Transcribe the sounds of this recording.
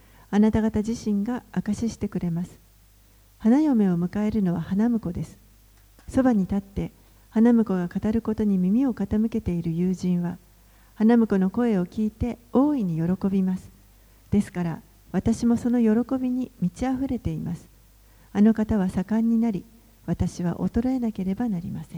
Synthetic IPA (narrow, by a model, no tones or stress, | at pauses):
anat̪aɡat̪aʑiɕĩŋɡaːkaɕiɕi̥t̪e̞kɯ̟ɾe̞masɨ̥ | hanajo̞me̞o̞mɯ̟kae̞ɾɯ̟no̞β̞ahanamɯ̟ko̞d̪e̞sɨ̥ | so̞baɲ̟it̪at̪ːe̞ | hanamɯ̟ko̞ɡakat̪aɾɯ̟ko̞t̪o̞ɲ̟imʲimʲio̞kat̪amɯ̟ke̞t̪e̞iɾɯ̟jɯːʑĩɰ̃βa | hanamɯ̟ko̞no̞ko̞e̞o̞kʲiːt̪e̞o̞ːiɲ̟ijo̞ɾo̞ko̞bʲimasɨ̥ | d̪̥e̞sɨ̥kaɾa | βat̪aɕimo̞so̞no̞jo̞ɾo̞ko̞bʲiɲ̟imʲit͡ɕiaɸɯ̟ɾe̞t̪e̞imasɨ̥ | ano̞kat̪aβ̞asakãɲ̟ːinaɾʲi | βat̪aɕiβ̞a̰ʔo̞̰t̪o̞ɾoe̞nake̞ɾe̞banaɾʲimasẽ